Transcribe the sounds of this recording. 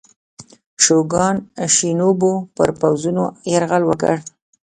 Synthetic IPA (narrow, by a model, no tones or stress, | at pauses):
ʃoɡɑnʃinobopə̰ɾpawzunoeɾɣalwəkə̰ɽ